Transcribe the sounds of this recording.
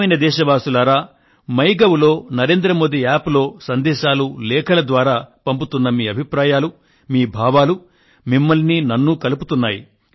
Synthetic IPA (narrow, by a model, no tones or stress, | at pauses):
ɐjnɐd̪ɛːʃɐʋaːsulɐɾaː | mɐjɡɐwlo̞ːnɐɾe̞ːnd̪ɾɐmo̞ːd̪iaːplo̞ːsɐnd̪ɛːʃaːlulɛːkʰɐlɐd̪ʋaːɾaːpɐmput̪unːɐmiːɐbʱipɾaːjaːlu | miːbʱaːʋaːlu | mimːɐlninɐnːukɐluput̪unːaːjḭ